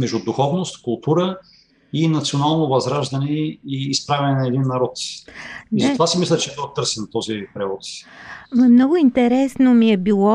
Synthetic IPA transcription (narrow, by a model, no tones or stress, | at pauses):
mɛʒd̪ʊd̪ʊxɔvnost̪kʊlˠt̪uɾə | inɐt̪sionalˠnovɐzɾaʒd̪ɐnɛiːspɾavʲɛnɛnɐɛd̪inːɐɾɔt̪ | izɐt̪ovasimislʲət͡ʃɛd̪ɔxt̪ɤɾsɛnt̪ɔzipɾɛvɔt̪svɐmnɔɡʊint̪ɛɾɛsnomiɛbilˠɔ